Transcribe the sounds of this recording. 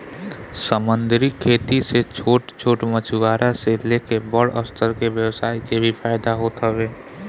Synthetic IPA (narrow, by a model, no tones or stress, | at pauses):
səmənd̪ɾikʰːeːt̪iset͡ʃʰoːʈt͡ʃʰoːʈmət͡ʃʰuɡaːɾʔaselekebəɽə̰st̪ʰəɾkeʋjəwsaːikebʱipʰaːɪd̪aɦot̪ɦəbeː